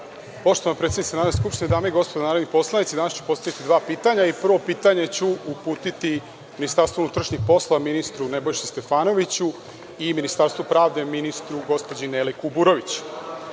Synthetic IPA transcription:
po̞ʃt̪oʋanapɾet̪enisenaːɾd̪eskupʃt̪ined̪aːmoiɡo̞spo̞d̪anaːɾod̪nipo̞slˠanit̪sid̪aːnast͡ɕu̥po̞st̪aʋit̪id̪ʋaːpiːt̪aɲaipr̩ʋo̞piːt̪aɲe̞t͡ɕuupuːt̪it̪i | minist̪aɾst̪ounut̪ɾaʃɲixpo̞sloʋaminist̪ɾunebo̞jʃist̪e̞faːno̞ʋit͡ɕu | iminist̪aɾst̪vopɾaːʋd̪e̞minist̪ɾuɡo̞spod͡ʑinelikubuɾoʋit͡ɕu̥

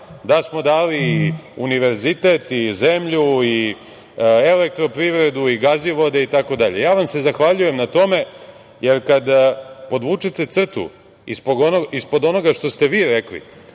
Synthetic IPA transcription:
d̪asmo̞d̪aːliːuniʋe̞ɾzit̪et̪izemʎui | elek̚t̪ɾo̞pɾiʋɾe̞d̪uiɡaziʋo̞d̪e̞it̪ako̞d̪aʎe̞jaːʋamse̞zaxʋaʎuje̞mnat̪o̞me̞ | je̞ɾkad̪po̞d̪ʋut͡ʂet̪e̞t̪sr̩t̪ṵ | ḭspoɡonoispo̞d̪o̞no̞ɡaʂt̪o̞st̪e̞ʋiːɾeklḭ

